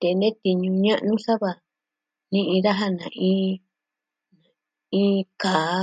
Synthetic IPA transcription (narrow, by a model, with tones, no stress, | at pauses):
t̪e˨˧nd̪ẽ˦t̪i˧ɲũ˧ɲã˦ʔnũ˦sa˦βa˧ | nĩ˦ʔĩ˧ða˦ɦa˦nã˨ʔĩː˦˧˦ | ĩː˧˦kaː˨